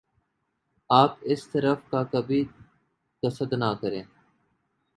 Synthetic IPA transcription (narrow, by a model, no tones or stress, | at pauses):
aːpɪst̪əɾəfkaːkəbʱiː | t̪əsəd̪naːkəɾẽː